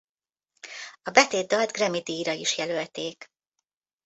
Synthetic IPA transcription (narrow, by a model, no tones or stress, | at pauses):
ɒbɛt̪eːd̪ːɒld̪ɡrɛmid̪iːɾɒiʃjɛlølt̪eːk